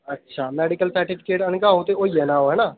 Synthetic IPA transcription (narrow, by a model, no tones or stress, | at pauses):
ɐtːʃʰaːmɛːɖɪkəlsəɾʈɪpʰɪ̥keːʈɐnkaɦoːt̪eoijɛːnaːɦoɦɛːnaː